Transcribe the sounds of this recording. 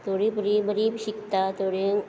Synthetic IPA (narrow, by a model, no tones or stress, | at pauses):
t̪ʰoɽibəɾibəɾiɕikt̪at̪oɽeŋ